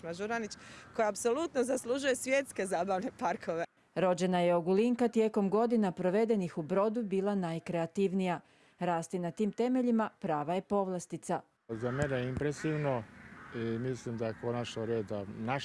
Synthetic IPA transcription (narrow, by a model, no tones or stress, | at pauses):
maʒuɾanit͡ʃkojaapsolut̪nozaslˠuʒuje̞sʋjet̪ske̞zaːbaʋnepaɾkʰoʋe | ɾo̞d͡ʑe̞naje̞oɡuliŋkat̪je̞ːko̞mɡo̞d̪inapɾo̞ʋe̞d̪e̞nixubɾo̞d̪ubiːlˠanajkɾe̞at̪iʋnija | ɾaːst̪inat̪iːmt̪e̞me̞ʎimapɾaːʋaje̞po̞ʋlˠast̪it̪sa | zameneimpɾesiʋnoimislimd̪ajekʰonat͡ʃnoɾeːd̪ana